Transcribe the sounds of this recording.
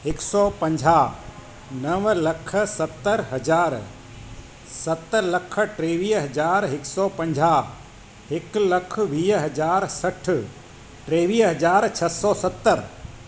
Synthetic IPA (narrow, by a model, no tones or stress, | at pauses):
ɪksɔːpə̃ɲd͡ʒʱa | nɐʋlɐkʰəsɐt̪ːəɾɦɐd͡ʒaːɾ | sɐt̪ːələkʰəʈɾeːʋiːɦɐd͡ʒaːɾɦɪksɔːpɐ̃ɲd͡ʒʱaː | ɦɪklɐkʰʋiːɦɐd͡ʒaːɾsɐʈʰ | ʈɾeːʋiːɦɐd͡ʒaːɾt͡ʃʰɐsɔːsət̪ːəɾ